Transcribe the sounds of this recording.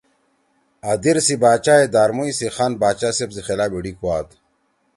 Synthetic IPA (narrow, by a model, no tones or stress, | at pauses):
ɐd̪iɾsibaːt͡ɕaːed̪aːɾmuisixanbaːt͡ɕasebsixelaːbiɽikuaːt̪